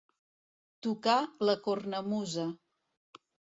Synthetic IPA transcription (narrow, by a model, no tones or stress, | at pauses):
t̪ukaləkornəmuzə